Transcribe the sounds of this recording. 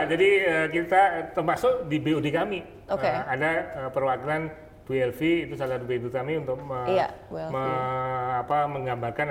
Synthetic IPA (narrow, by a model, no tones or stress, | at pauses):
d͡ʒadiək̬it̪at̪ərmasʊkdibeudekami | oəkadaəpərwakɾan | piɛlfiːt̪usalaat̪̚beint̪ukamiunt̪ʊk̚əjaməapaməŋɡambarkan